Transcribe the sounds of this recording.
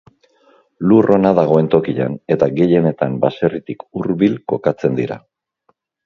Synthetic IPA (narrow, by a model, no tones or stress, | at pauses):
lurʔo̞naðaɣ̞o̞e̞nt̪o̞kiʎa̰ne̞t̪aɣe̞je̞ne̞t̪ambase̞rit̪ikuɾβilko̞kat͡se̞nd̪iɾa̰